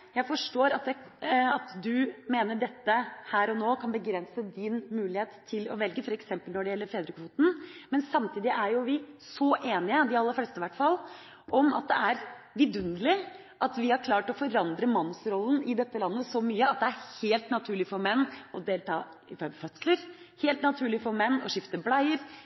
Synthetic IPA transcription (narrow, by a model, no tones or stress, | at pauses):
jæɪfɔʂʈoːɾɑt̪̚d̪ɛɑt̪d̪ʉmeːnəɖɛt̪ːəhæːɾɔnoːkʰɑnbəɡɾɛnsəd̪ɪnmʉːlɪheːt̪ʰɪlɔ̰ʋɛlɡəfɔɾɛksɛmpəlnɔɖɛjɛlːəɾfeːd̪ɾəkʰʋuːt̪n̩mɛnsɑmt̪ʰiːd̪ɪʔæɾjʊʋɪsɔʔeːnɪəd̪ɪɑlːəɾflɛst̪əʋæʈːfɑlː | ʔɔmɑ̰t̪̚d̪ɛ̰ʔæɾ | ʋɪd̪ʉnd̪əlɪ | ʔɑt̪ʋɪhɑɾkʰlɑːʈɔfɔɾɑnd̪ɾəmɑnːsɾɔlːən̩ɪd̪ɛt̪ːəlɑnːəsɔmyːəɑt̪̚d̪ɛæɾheːlt̪nɑt̪ʰʉːɭɪfɔɾmɛnːɔd̪eːlt̪ɑː | ɪfœfœt̪sləɾ | heːlt̪nɑt̪ʰʉːɭɪfɔɾmɛnːɔ̰ʂɪft̪əblɑɪəɾ